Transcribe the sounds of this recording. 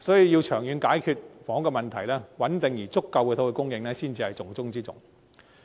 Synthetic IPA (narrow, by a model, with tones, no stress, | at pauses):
sɔː˨˥jiː˧wji˧wt͡ʃʰœː˨˩ŋjyː˨˧nkaː˨˥jkʰyː˧t̚fɔː˨˥ŋkɛː˧mɐ˨nt̪ʰɐ˨˩jlɛː˥wɐ˨˥nt̪ɪ˨ŋjiː˨˩t͡sʊ˥kːɐ˧wkɛ˨˧t̪ʰo˥wkːe˧kʊ˥ŋjɪ˨˧ŋlɛː˥siː˥nt͡siː˧hɐ˨jt͡sʊ˨˩ŋt͡sʊ˥ŋt͡siː˥t͡sʊ̰˨ŋ